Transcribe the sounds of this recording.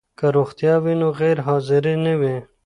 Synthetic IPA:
kaɾoxt̪jɑwinoɣeɾɦɑzɪɾenewe

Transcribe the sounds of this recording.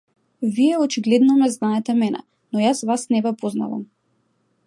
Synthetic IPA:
viɛɔt͡ʃiɡlɛd̪nɔmɛznaɛt̪ɛmɛnɛ̰ | nɔjasvasnɛvɛpozna̰va̰m

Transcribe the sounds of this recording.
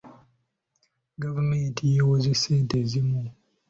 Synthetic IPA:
ɡavumeːntʰijewoziseːntezimu

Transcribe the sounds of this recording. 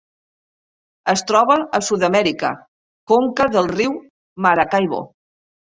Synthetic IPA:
əst̪ɾɔβ̞əəsuðəmɛɾikə̰ | koŋkəðəlˠriw | maɾakajβ̞o̰

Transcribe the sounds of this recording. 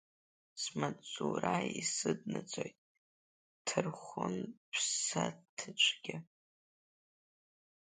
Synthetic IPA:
smat͡sʼuɾaisɨdnat͡sʷʼojtʼ | tʰɨrχʷʊnpʰsatʰɨt͡ʃʷʰɡʲɪ

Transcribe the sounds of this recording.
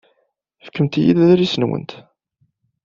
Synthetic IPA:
fə̥kːəmt̪ijḭðæðɾisənwə̰nt̪

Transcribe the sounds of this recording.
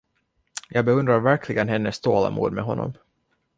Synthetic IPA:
jʔɑːɡbɛɵnd̪ɾaɾvæɾkʰlɪɡənɦɛnːəst̪ʰoːla̰mṵːd̪mɛɦɔnːɔ̰m

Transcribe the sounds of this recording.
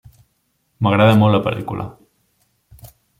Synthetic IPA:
məɣɾaðəmoləpə̰ɾt̪ḭkṵlʔa̰

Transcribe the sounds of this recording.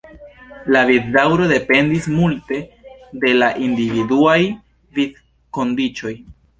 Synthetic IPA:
laviddawɾo̞de̞pe̞ndismulte̞de̞laʔindividuaj | vid̚ | ko̞ndit͡ʃo̞j

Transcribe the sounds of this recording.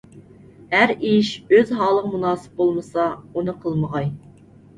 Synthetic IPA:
hæɾiʃøzɦɑːlˠəʁəmunɑːsɨ̥p̚bolˠmɨsɑunɨqʰəlˠməʁɑj

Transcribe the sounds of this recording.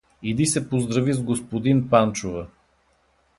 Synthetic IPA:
id̪isɛpozd̪ɾɐvizɡospod̪inpant͡ʃovə

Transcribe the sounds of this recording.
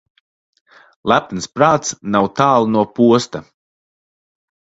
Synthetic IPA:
lˠæpnspɾaːt̪snawt̪aːlˠnuɔpuɔst̪a

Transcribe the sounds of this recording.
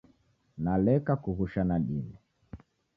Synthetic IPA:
nalɛkakuɣuʃanaɗinɛ

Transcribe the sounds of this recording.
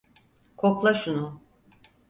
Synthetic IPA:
kʰoklˠaʃunu

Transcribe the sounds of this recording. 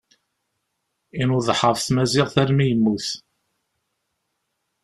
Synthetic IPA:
inuðˤħəvθmæzɪʁθæɾmijəmːuθ

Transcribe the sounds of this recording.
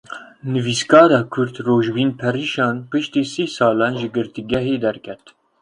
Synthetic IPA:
nɨviːskɑːɾɑːkʰʊɾt̪roːʒbiːnpʰɛriːʃɑːnpɨʃt̪iːsiːsɑːlɑːnʒɨɡɨɾt̪iɡʲɛɦeːd̪ɛɾkʰɛt̪

